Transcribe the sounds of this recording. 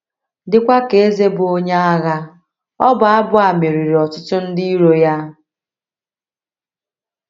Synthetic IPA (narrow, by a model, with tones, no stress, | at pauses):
dɪ˦kʷa˦ke˨e˦ze˦bʊ˨o˦ɲe˦a˦ɣa˦ | ɔ˦bʊ˨a˦bʊ˦a˨me˨ɾi˨ɾi˨ɔ˨t͡ʃɪ˦tʊ˦n̩˦di˦i˦ɾo˦ja˦